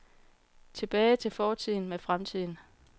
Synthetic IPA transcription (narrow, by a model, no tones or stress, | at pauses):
t͡sʰe̝b̥ɛːɪt͡sʰe̝lfɒːt͡sʰið̰ˠn̩mefʁamt͡sʰið̰ˠn̩